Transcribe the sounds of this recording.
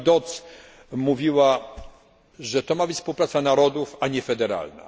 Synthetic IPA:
d̪ɔt̪s | muvʲiwa | ʐɛt̪ɔmabɘt͡ɕʲfspuwpɾat̪sanaɾɔd̪ufaɲɛfɛd̪ɛɾa̰lna̰

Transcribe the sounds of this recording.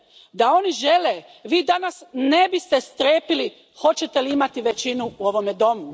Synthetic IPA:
d̪ao̞niʒe̞leː | ʋiːd̪anasne̞bist̪e̞st̪ɾeːpili | xo̞t͡ɕe̞t̪eliimat̪iʋe̞t͡ɕinuuo̞ʋo̞med̪o̞mu

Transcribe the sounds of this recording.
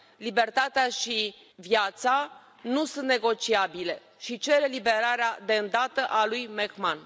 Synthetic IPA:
libe̞rt̪at̪eaʃi | vjat̪sa | nusunt̪̚ne̞ɡo̞t͡ʃiabile̞ | ʃit͡ʃe̞ɾe̞libe̞ɾaɾead̪e̞ɨnd̪at̪əʔalujmekman

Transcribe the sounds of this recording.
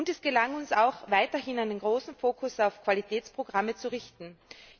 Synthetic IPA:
ʊntɛsɡ̥əlaŋʊnsaʊxv̥aɪtɐhɪnaɪnənɡʁoːsn̩foːkʰʊsaʊfkv̥alitʰɛːt͡spʁ̥oɡʁamət͡suʁɪçtn̩

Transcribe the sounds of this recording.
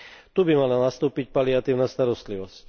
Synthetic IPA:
t̪ubimalanast̪uːpic̚paliat̪iːʊnaːst̪aɾɔst̪liʋɔsc

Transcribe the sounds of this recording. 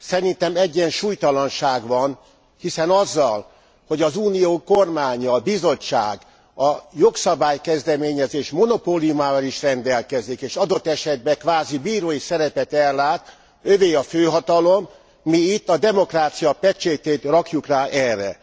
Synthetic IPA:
sɛɾint̪ɛmɛɟːɛnʃuːjt̪ɒlɒnʃaːɡʋɒn | hisɛnɒzːɒl | ho̞ɟɒzuːnijoːko̞rmaːɲɒːbizo̞t͡ʃːa̰ːɡ | ɒjo̞ksɒbaːjkɛzd̪ɛmeːɲɛzeːʃmo̞no̞poːliumaːvɒliʃrɛnd̪ɛlkɛzikeːʃɒd̪o̞t̪ːɛʃɛd̪̚bɛkʋaːzibiːɾoːjisɛɾɛpɛt̪ɛlːaːt̪ | øveːɒføːɦɒt̪ɒlo̞mː | iit̪ːɒd̪ɛmo̞kraːt̪sijɒpɛt͡ʃeːt̪eːt̪rɒkjukraːʔɛrːɛ̰

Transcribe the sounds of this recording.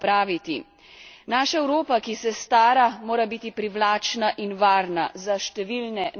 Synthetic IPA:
pɾaːʋit̪i | naːʃaɛwɾoːpakisɛst̪aːɾamoːɾabiːt̪ipɾiʋlaːt͡ʃnaʔinʋaːɾna̰zaʃt̪ɛʋiːlnɛ

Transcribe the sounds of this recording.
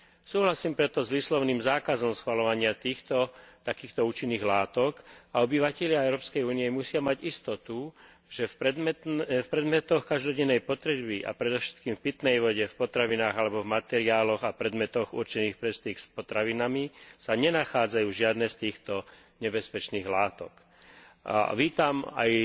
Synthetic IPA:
suːɦlasiːmpɾɛt̪ɔzʋiːslɔʊniːmzaːkazɔmsxʋalɔʋaɲɪat̪iːxt̪ɔt̪akiːxt̪ɔuːt͡ʃinːiːɣlaːt̪ɔkaɔbiʋacɛʎɪaɛʊɾɔːpskɛjuːnijɛmusɪamaɟist̪ɔt̪u | ʒ̥ɛf | fpɾɛd̪mɛt̪ɔxkaʒd̪ɔɟɛnːɛjpɔt̪ɾɛbiʔa̰pɾɛd̪ɔʊʃɛ̥t̪kiːmfpit̪nɛjʋɔɟɛfpɔt̪ɾaʋinaːɣalɛbɔvmat̪ɛɾiaːlɔɣapɾɛd̪mɛt̪ɔɣṵɾt͡ʃɛniːxpɾɛst̪iːxspɔt̪ɾaʋinamisaɲɛnaxaːd͡zajuːʒɪad̪nɛːst̪iːxt̪ɔ | ɲɛbɛspɛt͡ʃniːɣlaːt̪ɔ̰k | ʋiːt̪ama̰j

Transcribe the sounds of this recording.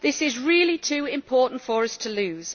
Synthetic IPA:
ðɪsɪzɹɪːlitʰʉːɪ̃mpʰɔˑʔn̩tfəɹəstʰəlʉːz̥

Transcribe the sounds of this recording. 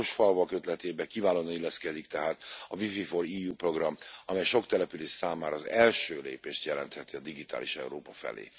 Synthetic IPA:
oʃfɒlvɒkøt̪lɛt̪eːbɛkivaːloːnɒnilːɛskɛd̪ikt̪ɛɦaːt̪ɒvififoɾiːjuːpro̞ɡrɒmɒmɛjʃo̞kt̪ɛlɛpyleːʃsaːmaːɾɒːzɛlʃøːlḛːpeːʃt̪jɛlɛ̰nt̪hɛt̪iɒd̪iɡit̪a̰ːlḭʃɛ̰uɾoːpɒfɛ̰lḛː

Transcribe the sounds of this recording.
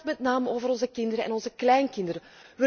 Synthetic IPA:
tmɛtnaːməoːvəɾɔnzəkɪndəɾəɛ̰nɔnzəklɛjnkɪnd̪əɾə | ʋə

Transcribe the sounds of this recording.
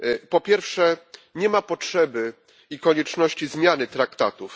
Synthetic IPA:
pɔpʲjɛɾfʂɛɲɛmapɔtʂɛbɘ | ikɔɲɛt͡ʂnɔɕt͡ɕizmʲjanɘt̪ɾakt̪at̪uf

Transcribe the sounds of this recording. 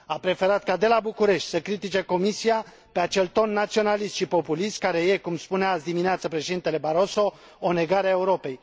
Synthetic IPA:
apɾe̞fe̞ɾat̪kad̪e̞labukuɾe̞ʃt̪ʲsəkɾit̪it͡ʃe̞ko̞misia | pe̞at͡ʃe̞lt̪o̞nːat̪sio̞nalist̪ʃipo̞pulist̪̚kaɾe̞je̞kumspuneasd̪imineat̪səpɾeʃed̪int̪e̞le̞baɾo̞so̞ | one̞ɡaɾeae̞uɾo̞pe̞j

